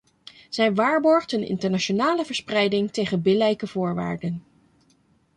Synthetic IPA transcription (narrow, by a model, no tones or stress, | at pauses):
z̥ɛjʋaːɹbɔɹχtənɪ̰ntəɹnaonaːləvəɹsprɛjdɪŋtejχənbɪlɛjkəvʊːɹʋa̰ːɹdən